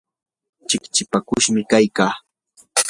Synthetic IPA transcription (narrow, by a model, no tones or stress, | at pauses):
t͡ʃɪkt͡ʃɪpakʊʃmɪkajkaː